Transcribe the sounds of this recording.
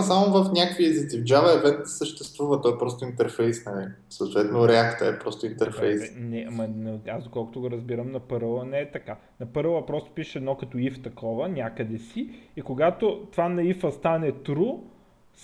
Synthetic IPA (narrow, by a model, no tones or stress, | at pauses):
samovɐfnʲakviəzid̪ivd͡ʒavɐɛvɛt̪d̪ə̥səʃt̪ɛst̪vuvɐt̪ɔɛpɾɔst̪oint̪ɛɾfɛjsnɐli | sɐːt̪vɛt̪noɾɛakt̪ə̰ɛpɾɔst̪oint̪ɛɾfɛjsnɛʔamɐnɐazd̪okɔlˠko̥t̪oɡoɾɐzbiɾəmnɐpɤɾlˠənɛɛt̪ɐka | nɐpɤɾlˠəpɾɔst̪o̥piʃɛɛd̪nɔkɐt̪ɔift̪ɐkʰɔvənʲakəd̪ɛsiikoɡat̪ot̪ovanɐifəst̪anɛt̪ɾu | s